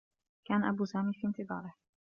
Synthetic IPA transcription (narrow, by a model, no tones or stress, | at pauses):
kaːnaʔabuːsaːmiːfiːnt̪ɨd̪ˤɑ̰ːɾˤɪh